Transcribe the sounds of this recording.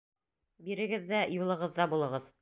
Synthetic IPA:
biɾɘ̆ɡɘðːæjulˠɤ̆ʁɤ̆ðːɑbulˠɤ̆ʁɤð

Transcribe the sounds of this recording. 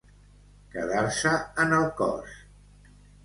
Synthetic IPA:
kəðaɾsəənəlˠkɔ̰s

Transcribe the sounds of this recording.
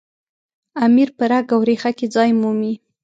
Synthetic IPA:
amiɾpəɾaɡawɾexaked͡zɑjmumi

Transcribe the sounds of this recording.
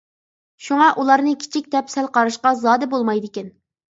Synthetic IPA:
ʃuŋɑʔulˠɑɾnɨkʲʰi̥t͡ʃʰik̚ʲd̪ɛpsɛlqʰɑɾɨʃqɑzɑːd̪ɨbolˠmɑjd̪ɪkʲɛn

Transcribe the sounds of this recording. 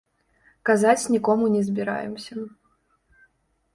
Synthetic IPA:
kazat͡sʲnʲikɔmunʲɛzbʲiɾa̰jɛ̰msʲɐ

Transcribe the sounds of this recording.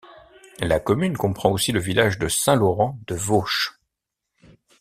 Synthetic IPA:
lakɔmynkɔ̃pχɑ̃osiləvilaʒd̪əsɛ̃lɔʁɑ̃d̪əvoʃ

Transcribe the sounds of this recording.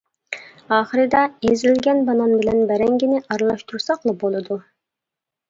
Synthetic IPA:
ɑːχəɾɨd̪ɑezɪlɡʲɛnbɑnɑnbɪlɛnbɛɾɛŋɡʲinɪʔɑɾlˠɑʃt̪uɾsɑqlˠɑbolˠɨd̪u

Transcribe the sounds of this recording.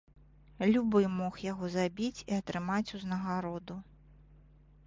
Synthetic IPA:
lʲubɨmɔxjaɣɔzabʲit͡sʲiat̪ɾɨmat͡sʲuznɐɣaɾɔd̪u

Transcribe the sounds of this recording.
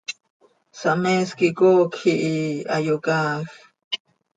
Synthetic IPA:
sameskikoːkʰiʔiajokaːx

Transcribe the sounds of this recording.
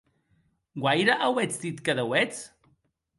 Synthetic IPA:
ɡwajɾaʔawet͡sd̪it̪kəðəwɛt͡s

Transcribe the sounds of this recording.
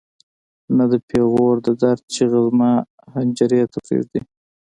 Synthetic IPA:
nad̪əpʰeɣoɾd̪əd̪aɾd̪̚t͡ʃeɣazma | hanʲd͡ʒaɾet̪ʰafɾḛzd̪i

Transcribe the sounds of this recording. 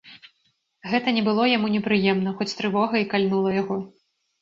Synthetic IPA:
ɣɛt̪ɐnʲɛbɨlˠɔjamunʲɛpɾɨjɛmnɐxɔt͡sʲt̪ɾɨvɔɣɐikalʲnulˠɐjaɣɔ

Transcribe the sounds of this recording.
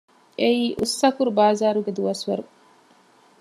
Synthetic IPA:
eiːʔusːɐkuɾubaːzaːɾuɡed̪uʋɐsʋɐɾu

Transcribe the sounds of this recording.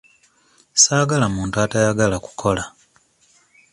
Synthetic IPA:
saːɡalamuːntuatajaɡalaku̥kʰo̞la

